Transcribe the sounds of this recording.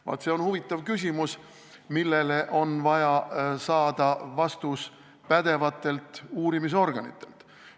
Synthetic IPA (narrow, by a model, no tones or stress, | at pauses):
vɑ̰t̪se̞o̞nhuvit̪ˑːɑvkys̬ʲimus | milːe̞le̞ʔo̞nvɑjɑsɑːd̪ɑvɑst̪us | pæd̪̥e̞vɑt̪ːˑe̞lt̪ˑuːɾimis̬o̞rɡ̥ɑnḭt̪ːˑe̞̰lt̪